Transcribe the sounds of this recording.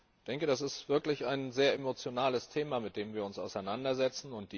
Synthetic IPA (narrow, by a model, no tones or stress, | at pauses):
d̥ɛŋkəd̥asɪstv̥ɪɐklɪçaɪnzeːɐemot͡sjonaːləstʰeːmamɪt̚d̥eːmviːɐʊnsa̰ʊsaɪnandɐzɛt͡sn̩ʊnt̚d̥iː